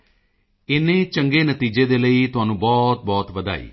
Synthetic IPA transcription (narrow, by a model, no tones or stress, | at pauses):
ɪnẽːt͡ʃəŋɡeːnət̪iːd͡ʒeːd̪eːləiːt̪ʊɦaːnũːbɔːt̪̚bɔːt̪ʋəd̪a̰ːḭː